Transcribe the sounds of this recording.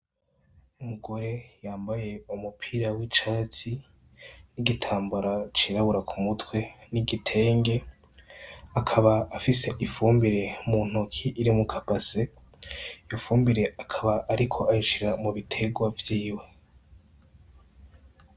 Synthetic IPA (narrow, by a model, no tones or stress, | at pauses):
umuɡo̞ɾe̞jaːmbaje̞umupʰiːɾawit͡ʃaːti | niɡitʰaːmbuɾat͡ʃiɾaβuɾakʰumutwe̞niɡitʰe̞ːŋɡe̞ | akʰaβaːfise̞ʔifuːmbiɾe̞muːn̥hukʰiʔiɾimukʰapase | jofuːmbiɾe̞akʰaβaʔːɾikʰo̞ʔaiʃiɾamuβitʰe̞ɡwavjiːwe̞